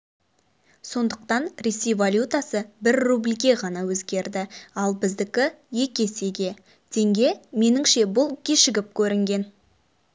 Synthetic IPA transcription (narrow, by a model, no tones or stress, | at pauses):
so̞nd̪əq̚t̪ɑnɾe̞se̞jvalʲjut̪asəbɪɾːublʲɡʲe̞ʁɑnɑwɵzɡʲe̞ɾd̪ɪɑlˠbɪzd̪ɪkʲɪ | je̞kʲe̞se̞ɡʲe̞ | t̪ʰe̞ŋɡʲe̞me̞nɪŋʃe̞bʊlˠkʲʰe̞ʃɪɡʲɪp̚kʲʰɵɾɪŋɡʲe̞n